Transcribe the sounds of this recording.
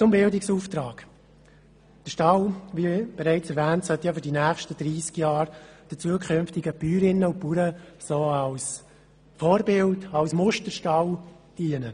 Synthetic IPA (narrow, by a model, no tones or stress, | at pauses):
t͡sʊmbɪldɪksuːft̪ɾɑːɡ̥ | d̥əʃtɑwʋib̥ɛɾæɪt͡sɛɾvæːntsœt̪ːjɑfʏɾdinæːχʃtəd̥ɾiːskjɑːɾd̥ət͡suəkʰʏnftɪɡəpyːɾɪnːəupuɾəsoːɑls | foːɾbɪldɑlsmʊʃtəɾʃtɑw | d̥iənə